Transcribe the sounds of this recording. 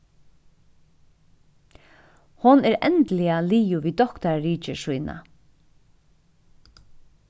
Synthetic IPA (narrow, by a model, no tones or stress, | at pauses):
hʊnɛɾɛ̰nt̪lɪaliːjʊʋiːd̪ɔkt̪aɹːiːt͡ʃɪʃujna̰